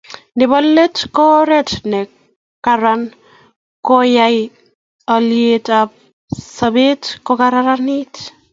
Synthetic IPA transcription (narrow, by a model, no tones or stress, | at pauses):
ndɪbɔlːetkɔɾɛtnɛ | kaɾan | kojaj | aljetap̚ | sabetkokaɾaɾanit